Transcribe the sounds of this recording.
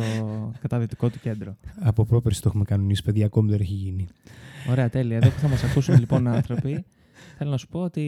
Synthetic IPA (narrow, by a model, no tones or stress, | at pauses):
okɐt̪ɐðit̪i̥ko̞t̪u̥ce̞nd̪ɾoɐpopɾopeɾst̪oexumekɐnonisi̥peðʝɐko̞miðeneçiʝinio̞ɾe̞ɐt̪e̞liɐeððopuθɐmɐsɐkusumelipo̞nɐnθɾo̞pi | θe̞lo̞nɐsu̥po̞ot̪i